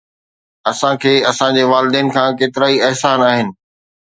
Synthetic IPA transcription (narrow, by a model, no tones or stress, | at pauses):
ɐsãkʰeːɐsãd͡ʑeːʋaːlɪd̪eːnɪ̆kʰãːkeːt̪ɪɾaːiɛɦsaːnaːɦɪnɪ̆